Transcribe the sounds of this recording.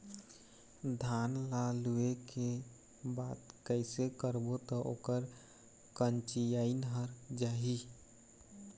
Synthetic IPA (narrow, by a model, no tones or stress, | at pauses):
d̪ʱanlalueke | baːt̪kəɪsekəɾbot̪ɔʔo̰ːkəɾ | kənt͡ʃijainɦəɾd͡ʒaːɦi